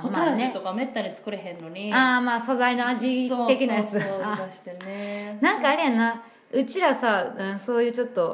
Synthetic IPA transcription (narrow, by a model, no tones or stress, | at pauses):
otmaɾaʑeit̪oɡamet̪ːaɲʲit͡sɨ̥kɯ̟ɾeɦẽ̞nːo̞ɲ̟iaːmaːso̞zainoaʑioe̞kʲinajat͡sɨaɕi̥t̪enenãŋkaːɾʲijana | ɯ̟t͡ɕiɾasaɯ̃so̞ːjɯ̟ːt͡ɕo̞t̪ːo̞